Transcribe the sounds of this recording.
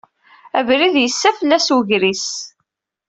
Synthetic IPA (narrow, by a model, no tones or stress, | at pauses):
ævɾiðjəsːæfəlːæswəʝɾis